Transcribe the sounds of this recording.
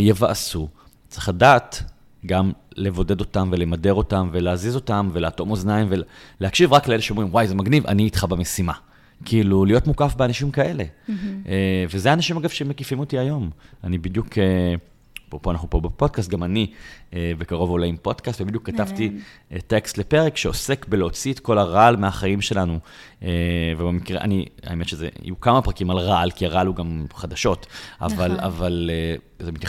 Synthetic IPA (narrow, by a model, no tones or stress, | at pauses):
jevaʔasu | t͡sʁiχladaːt | ɡamlevo̞de̞do̞tamvele̞made̞ʁo̞tamveleazizo̞tamveleato̞moznaimvelehakʃivʁakleeleʃeo̞mʁimwajzemaɡniva̰niːt̪χabamesima | kiːlulijo̞tmukafbeanaʃimkae̞le̞ | vezeanaʃimaɡavʃemekifimotiajo̞manibid̪jukʰe | popoanaχnupobepo̞d̚kast̚ɡamanievekaʁo̞volejimpo̞d̥kast̪vebid̪jukːatavtitekstlepe̞ʁekʃeo̞se̞kbeleot͡siet̪ko̞laʁaalmeaχaimʃe̞lanuevebemikʁeʔa̰nia̰emetʃezḛḭjukamapʁakimalʁaalkiaʁaaluɡamχad̪aʃo̞tʔa̰vala̰vale | zemit̪j